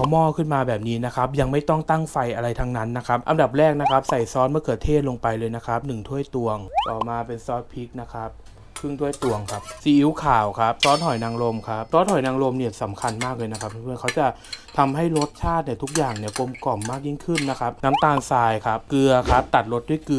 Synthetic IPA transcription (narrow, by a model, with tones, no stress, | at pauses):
a˦˥wmɔː˧kʰɯ˥˩nmaː˧bɛː˨˩p̚niː˦˥na˦˥kʰa˦˥p̚ja˧ŋma˥˩jt̪ɔ˥˩ŋt̪a˥˩ŋfa˧jʔa˧ɾa˧jt̪ʰa˧ŋna˦˥nːa˦˥kʰa˦˥p̚ʔa˧nda˨˩p̚ɾɛː˥˩k̚na˦˥kʰa˦˥p̚sa˨˩jsɔː˦˥nmɯ˥ɐkʰɯ˧˩ət̪ʰeː˥˩t̪̚lo˧ŋpa˧jlɤː˧jna˦˥kʰa˦˥p̚nɯ˨˩ŋt̪ʰu˥˩əjt̪u˧əŋʔɔː˨˩maː˧pe˧nsɔː˦˥t̪̚pʰi˦˥k̚na˦˥kʰa˦˥p̚ | kʰɯ˥˩ŋt̪ʰu˥˩əjt̪u˧əŋkʰa˦˥p̚siː˨˩ʔi˦˥wkʰaː˨˩wkʰa˦˥p̚sɔː˦˥nt̪ʰɔ˨˩jnaː˧ŋlo˧mkʰa˦˥p̚t̪ɔː˦˥nʰɔ˨˩jnaː˧ŋlo˧mni˥˩ɐsa˩˦mkʰa˧nmaː˥˩k̚lɤː˧jna˦˥kʰa˦˥p̚ʰːpʰɯ˧˥˩kʰa˦˥wt͡ɕa˨˩t̪ʰa˧mɦa˥˩jɾo˦˥t̪̚t͡ɕʰaː˥˩t̪̚ni˧˥˩t̪ʰu˦˥k̚jaː˨˩ŋni˥˩ɐko˧mkɔ˨˩mːaː˥˩k̚ji˥˩ŋkʰɯ˥˩nːa˦˥kʰa˦˥p̚na˦˥mt̪aː˧nsaː˧jkʰa˦˥p̚kɯ˧ɐkʰa˦˥p̚t̪a˨˩t̪̚ɾo˦˥t̪̚du˥˩˨jkɯ˧